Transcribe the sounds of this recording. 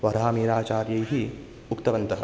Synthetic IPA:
ʋɐɾaːmiːɾaːt͡ʃaːɾjɐjɦi | ukt̪ɐʋɐnt̪ɐɦɐ̰

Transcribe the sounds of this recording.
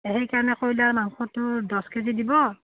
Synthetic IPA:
eɦejkaɹɔnɛkojlaɹmaŋxɔtʊdɔskezidibɔ

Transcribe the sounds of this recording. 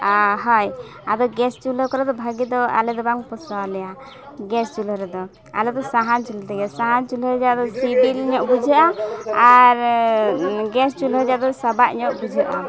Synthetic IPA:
ɦɔj | a̰d̪ɔɡɛst͡ʃuləkɔɾɛd̪ɔbʱaɡid̪ɔa̰lɛd̪ɔbaŋpɔsalɛja | ɡɛst͡ʃuləɾɛd̪ɔ | a̰lɛd̪ɔsaɦant͡ʃult̪ɛɡɛsaɦant͡ʃulɦəd͡ʒad̪ɔsibilɲɔʔbud͡ʒəʔaaɾ | ɡɛst͡ʃuləd͡ʒad̪ɔsabaʔɲɔʔbud͡ʒʱəʔa

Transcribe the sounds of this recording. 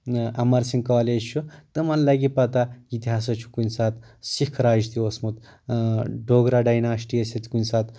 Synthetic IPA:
ɐmaɾsiŋɡkaled͡ʒt͡ʃʰut̪ɐmanlaɡipɐt̪ait̪iɦaːs̬ɐt͡ʃʰu̥kunʲsat̪ | sikʰɾaːd͡ʒt̪ʰiosmut̪ | ɖoɡɾaɖajnaɐsʈiɐsʲɐt̪i̥kunʲsat̪

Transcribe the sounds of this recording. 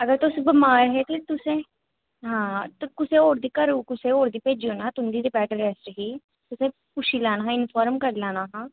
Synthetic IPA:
əɡəɾt̪ʊsbəmaːɾɦɛːt̪et̪ʊsẽː | ɦãːt̪ːkʊsẽːoːɾd̪iːkəɾuːkʊsẽːoːɾd̪iːpeːd͡ʒioːnaːt̪ʊnd̪iːɾɪpɛːʈəɾɛːsʈɦiː | t̪ʊsẽː | pʊʃiːlaːnaːɦãːɪnpʰaːɾmkəɾlaːnaːɦãː

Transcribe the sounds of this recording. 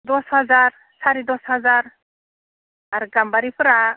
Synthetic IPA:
d̪ɔshazaɾ | saɾid̪ɔshazaɾ | aɾɡambaɾipʰɯɾa

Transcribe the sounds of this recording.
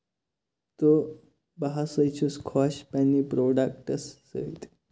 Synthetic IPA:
t̪o | baɦasəjt͡ɕʰuskʰɔɕpanːipɾoɖak̚ʈəsːə̰it̪

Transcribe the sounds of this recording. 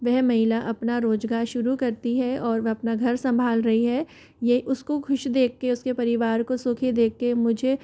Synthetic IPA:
ʋɛɦmɐɦɪlaʔɐpnaɾoːd͡ʒɡaːɾʃʊɾukɐɾt̪iɦɛɔːɾʋɛɦɐpnaɡʱɐɾsɐ̃mbʱaːlɾɐɦiɦɛː | jɐiʊskokʰʊʃd̪eːkʰːeʊskepɐɾɪʋaːɾkosʊːkʰid̪eːkʰːemʊd͡ʒʱe

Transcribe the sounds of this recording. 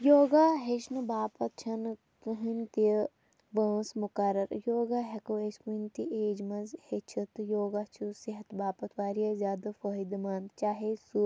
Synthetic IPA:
joːɡaːɦeʃnɨbaːpɐt̪̚t͡ʃʰɐn | kɦint̪i | ʋɐːsmʊkɐɾɐɾjoːɡaɦɐkoeskunt̪iʔeːd͡ʒmɐzhet͡ʃʰɐt̪joːɡaːt͡ʃʰusiɦɐt̪baːpɐt̪ʋaːɾijazʲjaːd̪ɐfɐːid̪maːnd̪t͡ʃaːɦesu

